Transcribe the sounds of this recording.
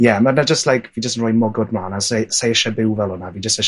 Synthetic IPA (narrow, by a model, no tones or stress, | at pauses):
jɛmanad͡ʒəstlajkʰvid͡ʒəsənrɔːjmɔɡɔd̚mlˠaːnasesejɛʃabɪwvɛlˠɔnaviːd͡ʒəstɛʃ